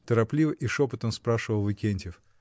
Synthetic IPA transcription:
t̪əɾɐplʲivəʔiʂopət̪əmspɾaʂɨvəlˠvɨkʲenʲtʲɪf

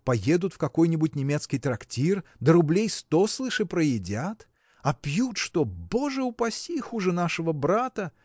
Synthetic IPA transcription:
pɐje̞d̪ʊt̪fkɐko̞jnʲɪbʊtʲnʲɪmʲe̞t̪skʲɪjt̪ɾɐktʲird̪əɾʊblʲejst̪o̞slˠɨʂɨpɾəjɪdʲat̪ | ɐpjut̪ʂt̪oboʐɨʊpɐsʲixuʐɨn̪aʂɨvəbɾat̪ə

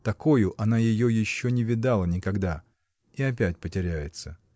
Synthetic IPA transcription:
t̪ɐko̞jʊʔɐnajɪjojɪɕːonʲɪvʲɪd̪alˠənʲɪkɐɡd̪a | iɐp̬ʲæt̚ʲpətʲɪɾʲæjɪt̪sə

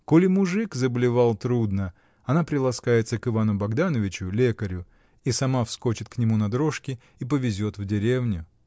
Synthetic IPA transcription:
kolʲɪmʊʐɨkzəbəlʲɪvalˠt̪ɾud̪nə | ɐnapɾʲɪlˠɐskajɪt̪səkɨvanʊbɐɡd̪anəvʲɪt͡ɕʊlʲekəɾʲʊ | isɐmafsko̞t͡ɕɪt̪̚knʲɪmunɐd̪ɾoʂkʲɪ | ip̬əvʲɪzʲo̞t̪vdʲɪɾʲe̞vnʲʊ

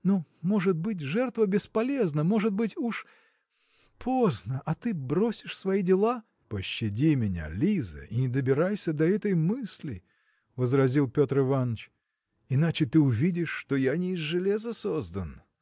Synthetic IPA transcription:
nomo̞ʐɨt̪̚bɨtʲʐɛrt̪vəbʲɪspɐlʲe̞znəmo̞ʐɨt̪̚bɨtʲuʂ | pʰoznəʔɐt̪ɨbɾosʲɪʂsvɐidʲɪlˠa | pəɕːɪdʲimʲɪnʲa̰lʲizɨ̰inʲɪd̪əbʲɪɾajsʲəd̪ɐɛt̪əjmɨsʲlʲɪ̰ | vəzrɐzʲilˠpʲot̪rɨvanət͡ɕ | ɪnat͡ɕɪt̪ɨʊvʲidʲɪʂːt̪ojanʲɪːzʐɨlʲezəsozd̪ən

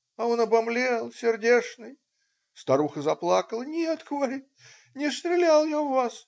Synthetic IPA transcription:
ɐo̞nɐbɐmlʲelˠsʲɪrdʲeʂnɨj | st̪ɐɾuxəzɐplˠakəlˠnʲet̪ɡəvɐɾʲit̚ʲ | nʲɪst̪ɾʲɪlʲalˠjaʊvas

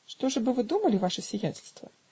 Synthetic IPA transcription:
ʂt̪ɔʐɨbɨvɨd̪umɐlʲivaʂɨsʲijɛnʲt͡sʲɪlʲst̪vɐ̰

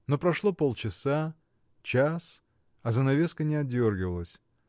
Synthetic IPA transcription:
no̞pɾɐʂlˠo̞po̞lˠt͡ɕɪsa | t͡ɕas | ɐzənɐvʲe̞skənʲɪɐdʲo̞rɡʲɪvəlˠəsʲ

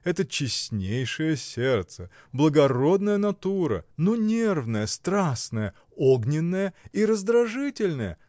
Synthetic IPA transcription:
ɛt̪ət͡ɕɪsʲnʲejʂɨjəsʲert̪sə | blˠəɡɐɾo̞d̪nəjənɐt̪uɾə̰nonʲervnəjəst̪ɾasnəjə | oɡnʲɪnːəjəiɾəzd̪ɾɐʐɨtʲɪlʲnəjə̰

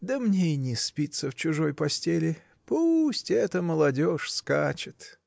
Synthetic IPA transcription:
d̪əmnʲeɪnʲɪspʲit̪səft͡ɕʊʐo̞jpɐsʲtʲelʲɪ | pusʲtʲɛt̪əməlˠɐdʲoʂskat͡ɕɪt̪

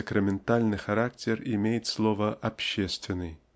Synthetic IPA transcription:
əkɾəmʲɪnt̪alʲnɨxɐɾak̚tʲɪrɪmʲejɪt̪slˠovəʔɐpɕːest̪vʲɪnːɨj

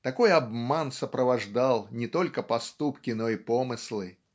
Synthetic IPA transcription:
t̪ɐko̞jɐbmansəpɾəvɐʐd̪alˠnʲɪt̪o̞lʲkəpɐst̪upkʲɪno̞ipo̞mɨslˠɨ

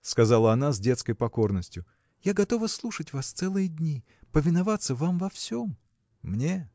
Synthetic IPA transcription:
skɐzalˠəɐnazʲdʲe̞t̪skəjpɐko̞rnəsʲtʲjʊ | jaɡɐt̪o̞vəslˠuʂətʲvast̪sɛlˠɨjədʲnʲi | pəvʲɪnɐvat̪səvamvɐfsʲomː | nʲe

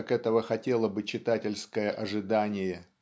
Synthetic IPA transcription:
kɛt̪əvəxɐtʲe̞lˠəbɨt͡ɕɪt̪atʲɪlʲskəjəʔɐʐɨd̪anʲɪjə

